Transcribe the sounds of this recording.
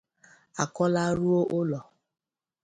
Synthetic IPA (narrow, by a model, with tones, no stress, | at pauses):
a˨kɔ˦la˦ɾu˦o˦ʔo˦lɔ˨